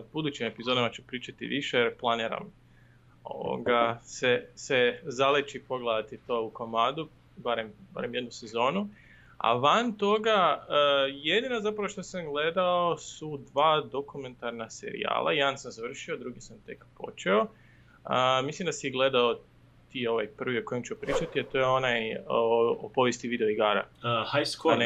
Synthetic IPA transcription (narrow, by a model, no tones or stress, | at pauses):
bud̪ut͡ɕime̞pizod̪amat͡ʃupɾiːt͡ʃat̪ḭʋiʃejeɾplˠaniɾa̰m | o̰ʋo̰ɡasesezalet͡ʃipo̞ɡlˠed̪at̪it̪o̞ːukomad̪u | baɾemba̰ɾemje̞d̪nuse̞zo̞ːnu | a̰ʋant̪o̞ɡaəjed̪inazapɾaʋo̞ʃt̪osamɡle̞d̪aosud̪ʋaːd̪o̞kumẽ̞nt̪aɾnasḛɾḭa̰ːlˠʔa̰je̞d̪ansamzaʋr̩ʃiod̪ɾuɡisamt̪e̞̰kpo̞̰t͡ʃeo̞ | əmislimd̪asiɡle̞d̪ao | t̪iːo̞ʋajpr̩ʋiokojimt͡ʃuopɾiːt͡ʃat̪iat̪o̞jeo̞naj | opo̞ʋjest̪iʋiːd̪eoiɡaːɾa̰hajskon